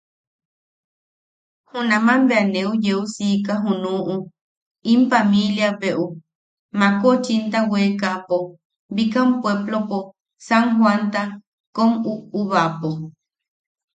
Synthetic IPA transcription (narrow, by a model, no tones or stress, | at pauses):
hũnãmãmbeanẽud͡ʒeusikaɦũnũʔũ | impamĩljabeʔu | mãkot͡ʃint̪awekapo | bikampweblopo | saŋɦwant̪a | komuuβapo